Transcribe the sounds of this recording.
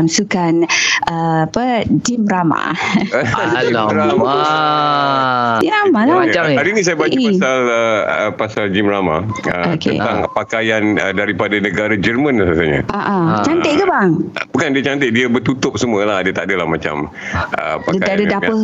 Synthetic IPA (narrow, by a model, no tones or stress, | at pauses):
msukanəapəd͡ʒimɾama̰ | ɾa | ɾamalaaɾinis̬ajabat͡ʃapasaləəpasald͡ʒimrama̰əotkə̰t̪aŋpakajanədaɾipadanə̃ɡaɾad͡ʒərmə̃nlasəsaɲa̰ʔaʔat͡ʃant̪eʔkəbaŋbukandiət͡ʃant̪ɪʔ̚diabət̪ut̪ʊp̚səmuəlahdiat̪aʔdalahmat͡ʃa̰m | ʔə̰padaadadapə